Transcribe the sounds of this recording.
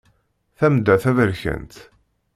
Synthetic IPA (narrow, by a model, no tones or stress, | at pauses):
θæmd̪æθævəɾçə̰nt̪